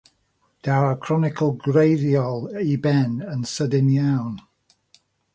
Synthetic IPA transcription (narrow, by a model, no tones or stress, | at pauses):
d̥aɾəkʰr̥ɔnɪkʰəlˠɡrejðjɔlˠibɛnənsədɪnjawn